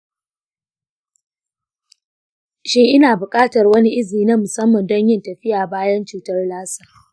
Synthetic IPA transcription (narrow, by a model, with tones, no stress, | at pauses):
ʃɪ˦ŋʔɪ˦naː˨bʊ˨kʼaː˦tɐ˨rwɐ˦ni˦ʔɪ˦ziː˨na˦mʊ˨sɐ˦mːɐ˨ndɔ˦ɲjɪ˦ntɐ˨ɸɪ˦jaː˨baː˦jɐ˦nt͡ʃuː˦tɐ˦rlaː˦saː˨